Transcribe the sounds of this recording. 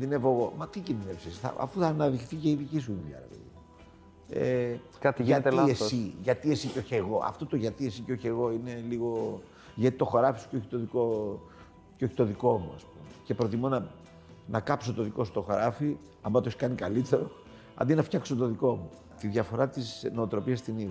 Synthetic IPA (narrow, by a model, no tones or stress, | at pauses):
ðinevoɣo̞mɐt̪icinðinepsesθɐ̰ɐ̰fuθɐːnɐðikθice̞iðicis̬uiðɐ̰ɾɐ̰vḛi | ḛ | kɐt̪ʝɐt̪eessiʝɐt̪ie̞siceo̞çeɣo̞ʔɐ̰ft̪ot̪oʝɐt̪ie̞siceo̞çe̞ɣo̞ine̞liɣo̞ | ʝɐt̪i̥t̪o̞xoɾɐfisu̥ceo̞çi̥t̪o̞ðiko̞ | ceo̞çi̥t̪o̞ðiko̞muɐ̰spumece̞pɾo̞t̪imonɐ | nɐkɐpso̞t̪o̞ðiko̞st̪o̞xoɾɐfi | ɐmɐt̪oçi̥kɐnikɐlit̪e̞ɾo̞ | ɐ̰nd̪inɐft̪çɐksot̪o̞ðiko̞mu | t̪iðʝɐfo̞ɾɐt̪isno̞ot̪ɾo̞piɐst̪inið